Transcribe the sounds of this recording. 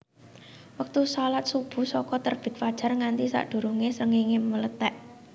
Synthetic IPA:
wək̚t̪usalat̪̚sub̥ṳsɔkɔt̪ərb̥ɪ̤t̪̚fad̥ʒ̥a̤rŋant̪isa̰ʔd̪̥ṳɾuŋesəŋiŋemələt̪ɛʔ

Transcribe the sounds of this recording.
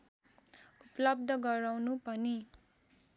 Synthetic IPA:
upʌlʌb̚d̪ʱʌɡʌɾawnupʌni

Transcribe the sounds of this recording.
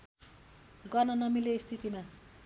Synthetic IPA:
ɡʌrnʌnʌmileist̪ʰit̪ima

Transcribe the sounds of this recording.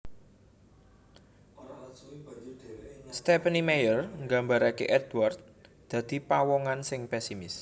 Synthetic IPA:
st̪ɛpənimejərŋɡambaɾakḛʔɛd̪ward̪̚ | d̪̥ä̤d̪̥i̤pawɔŋansɪŋpɛsimɪs

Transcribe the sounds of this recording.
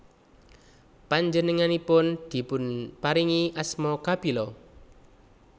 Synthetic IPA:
paɲd͡ʒənəŋanipʊnd̪̥i̤pʊnpaɾiŋiʔasmɔkabilɔ

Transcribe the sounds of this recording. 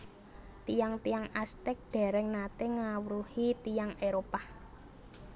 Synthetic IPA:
t̪ijaŋt̪ijaŋast̪ɛk̚d̪̥ɛ̤ɾɛŋnat̪eŋawɾuhit̪ijaŋeɾopa

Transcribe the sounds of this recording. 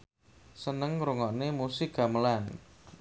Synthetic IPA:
sənəŋɾuŋɔʔnemusiɡ̥aməlan

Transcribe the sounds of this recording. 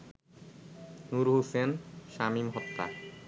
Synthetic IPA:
nuɾɦusenʃamimɦɔt̪ːa̰

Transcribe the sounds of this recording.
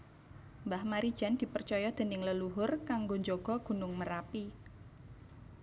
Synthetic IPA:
mbahmaɾid̥ʒ̥a̤nd̪̥i̤pərt͡ʃɔjɔd̪̥ə̤nɪŋləluɦʊrkaŋɡoɲd͡ʒoɡ̥ɔ̤ɡ̥ṳnʊŋməɾapi

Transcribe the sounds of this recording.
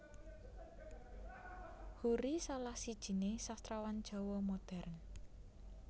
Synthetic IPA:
huɾisalahsid̥ʒ̥i̤nesast̪ɾawand̥ʒ̥ɔ̤womod̪̥ɛrn

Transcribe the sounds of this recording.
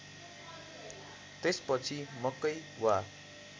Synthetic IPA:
t̪espʌt͡sʰimʌkːʌj | wa

